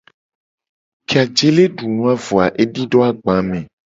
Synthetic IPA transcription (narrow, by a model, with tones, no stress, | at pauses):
ke˨a˨d͡ʒe˦le˦ɖu˨nũ˦a˦vo˨a˨ʔe˦ɖi˦ɖɔ˦a˨ɡ͡bã˨˦mẽ˨